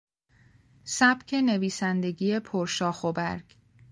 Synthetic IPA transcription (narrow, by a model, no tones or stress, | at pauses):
sæb̥cʰe̞ne̞viːsænd̪e̞ɡiːje̞pʰoɾʃɒːxobæɾɡ̥